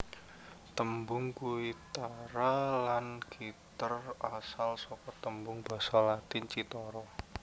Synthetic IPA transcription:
t̪əmbʊŋkuit̪aɾalanɡ̥it̪ərasalsɔkɔt̪əmbʊŋb̥a̤salat̪ɪnt͡ʃit̪ɔɾɔ

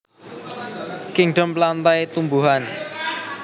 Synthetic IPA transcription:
kɪŋɖəmplant̪ajt̪umbuɦan

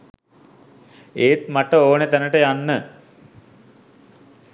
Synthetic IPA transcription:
eːt̪maʈəoːnet̪ænəʈəjanːə

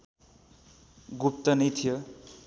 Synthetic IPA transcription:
ɡup̚t̪ʌnit̪ʰijʌ

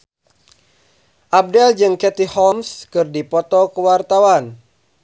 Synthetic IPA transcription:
ʔab̚dɛld͡ʒɨŋkɛt̪ihɔmskɨrdipɔt̪ɔkəwart̪awan

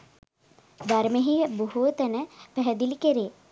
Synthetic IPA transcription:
b̪ɐɾmeɦibuɦut̪ɐnəpɛɦɛd̪ilikeɾeː

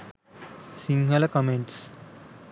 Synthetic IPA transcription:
siŋɡɐlɐkɐmẽɳʈs

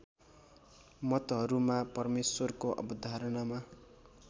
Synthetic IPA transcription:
mʌt̪ɦʌɾumapʌrmeswʌrkoʔʌ̰bʌd̪ʱaɾʌnama

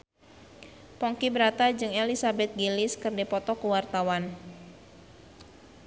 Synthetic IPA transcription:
pɔŋkibəɾat̪ad͡ʒɨŋelisabɛt̪̚ɡilɪskɨrdepɔt̪ɔkəwart̪awan

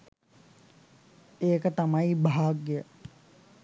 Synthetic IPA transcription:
eːkət̪amɐibʱaːɡjə

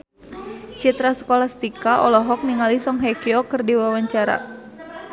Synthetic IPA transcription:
t͡ʃit̪ɾasə̥kolahst̪ikaʔɔlɔɦɔk̚niŋalisɔŋɦɛkiɔkɨrdiwawaɲt͡ʃaɾa̰

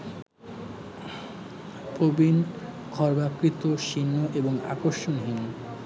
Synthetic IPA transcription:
pobin | kʰɔɾbakɾit̪oʃinːoʔeboŋa̰koɾʃonɦin

